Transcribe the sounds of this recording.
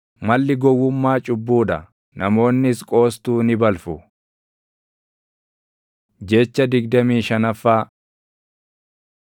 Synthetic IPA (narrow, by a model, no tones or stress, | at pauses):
mɐlːɪɡɔwːʊmːaːt͡ʃʼʊbːuːᶑ̪ɐ | nɐmo̞ːnːɪskʼo̞ːst̪uːnɪbɐlfʊ | d͡ʒet͡ʃːɐd̪ɪɡd̪ɐmiːʃɐnɐfːaː